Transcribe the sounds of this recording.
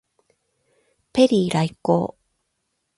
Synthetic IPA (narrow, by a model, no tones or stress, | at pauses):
peɾiɾajko̰ː